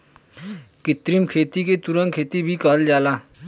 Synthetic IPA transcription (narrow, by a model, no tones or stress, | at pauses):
kɪt̪ɾimkʰeːt̪iket̪ʊɾə̃ŋɡ̚kʰeːt̪ibʱikəld͡ʒaːlaː